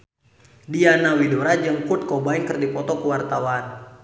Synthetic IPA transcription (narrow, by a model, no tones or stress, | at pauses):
dianawidoɾad͡ʒəŋkut̪̚kɔbaiŋkərdipɔt̪ɔkəwart̪awan